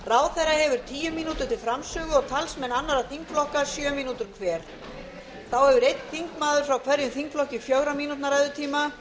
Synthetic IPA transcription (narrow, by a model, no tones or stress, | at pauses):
raːwθɛjraɦɛvʏɾ̥t̪ʰiːjʏmːinuːt̪ʏ̥t̪ʰɪlfɾamsœːɣʏɔɣt̪ʰalsmɛnanːaɾaθiŋkflɔhkḁsjœːmiːnuːt̪ʏɾ̥kʰvɛːɾ̥ | θawhɛvʏɾejt̪n̥θiŋkmaːðʏɾ̥fɾawkʰvɛɾjʏmθiŋkflɔhcɪfjoɣɾamiːnut̪naɾajðʏt̪ʰiːma